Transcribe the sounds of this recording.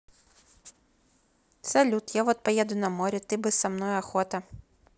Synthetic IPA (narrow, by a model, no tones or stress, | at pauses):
t̪sɛlʲut̪javɔt̪̚pɐjɛd̪ʊnɐmɔɾʲɛt̪ɪbɨssɐmnɔjɐxɔt̪ɐ